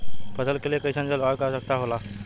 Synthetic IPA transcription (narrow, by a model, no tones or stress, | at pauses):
pʰəsəlkelekəjsãnd͡ʑalakasək̚t̪aɦola